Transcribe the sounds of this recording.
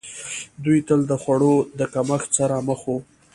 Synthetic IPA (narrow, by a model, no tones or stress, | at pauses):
d̪ujt̪əld̪əxwaɽod̪əkaməxt͡saɾaməxo